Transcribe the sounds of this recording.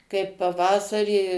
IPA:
kɐɪp pɐˈʋɑːsɐrʲiː

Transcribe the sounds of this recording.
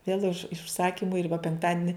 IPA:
ʋʲeːlˠ ɪʃ ʊʃˈsɑːkʲiːmʊ ɪr ʋɐ pʲɛŋkˈtɑːdʲɪnʲɪ

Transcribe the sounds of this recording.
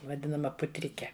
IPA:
ʋɐˈdʲɪnɐmɐ pʊˈtʲrʲɪkʲɛ

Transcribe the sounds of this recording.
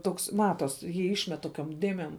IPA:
ˈtoːks ˈmɑːtoːs ˈjiː ˈɪʃʲmʲɛt ˈtoːkʲoːm ˈdʲeːmʲeːm

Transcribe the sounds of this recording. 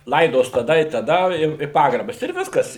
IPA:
ˈlˠɐɪdoːs tɐˈdɐ ɪ tɐˈdɐ ˈjɛʊ ɪ ˈpɑːɡrɐbɐs ɪr ˈʋʲɪskɐs

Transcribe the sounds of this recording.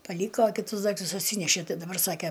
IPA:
pɐˈlʲiːkoː kʲɪˈtʊs ˈdɐɪktʊs ɐtʲˈsʲiːnʲɛʃʲeː ˈtɐɪ dɐˈbɐr ˈsɑːkʲɛ

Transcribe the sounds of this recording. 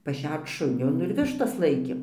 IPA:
pɐˈʃʲɛrt͡s ˈʃʊnʲoː ˈnʊ ɪr ˈʋʲɪʃtɐs ˈlˠɐɪkʲeːm

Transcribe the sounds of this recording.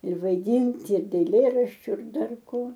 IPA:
ɪr ʋɐɪˈdʲɪnt ɪr ɛɪlʲˈeːrɐʃʲt͡ʃʲʊ ɪr ˈdɐr ˈkoː

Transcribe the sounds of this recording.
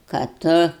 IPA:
kɐ ˈtʊ

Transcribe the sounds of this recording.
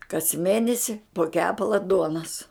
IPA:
kɐs ˈmʲeːnʲɛsʲɪ poː ˈkʲæːpɐlˠɐ ˈduɔnɐs

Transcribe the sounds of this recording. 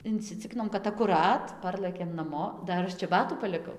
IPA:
ɪnʲt͡sʲɪˈt͡sʲɪkʲɪnoːm kɐt ɐkʊˈrɐt ˈpɐrlˠɘkʲeːm nɐˈmoː ˈdɐr ˈɐʃ t͡ʃʲɛˈbɑːtuː pɐlʲɪˈkɐʊ

